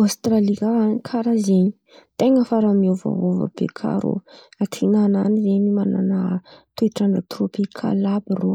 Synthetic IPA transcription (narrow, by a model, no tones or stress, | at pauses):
ast̪ralikaanikʰaɾazeɲi̥ | t̪eŋəfaɾamiova̰ɦovə̰b̥ḛkʰa̰ɾo̰at̪ʰinananizenimananat̪ueʈ͡ʂaɳət̪ropikʰa̰labiro